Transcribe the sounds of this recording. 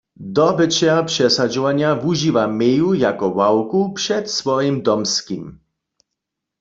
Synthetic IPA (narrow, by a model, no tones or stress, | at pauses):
d̪ɔbət͡ʃɛapʂɛsad͡ʒɔvaɲɪavuʒiːʋamɛjujakɔwawkupʂɛt̪svɔjimd̪ɔmskḭm